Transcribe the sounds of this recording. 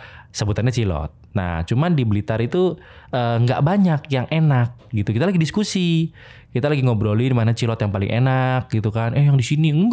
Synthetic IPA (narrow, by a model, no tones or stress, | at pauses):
səbut̪anɲat͡ʃilɔ̰t̪̚na̰t͡ʃumandiblit̪aɾit̪u | əːŋɡa̰ʔbaɲakjaŋʔenak̚ɡit̪ukit̪alaɡidiskusi | kit̪alaɡiŋobɾolidimanat͡ʃilɔt̪jaŋpalɪ̰ŋʔḛnak̚ɡit̪ukanajaŋdisiniɡ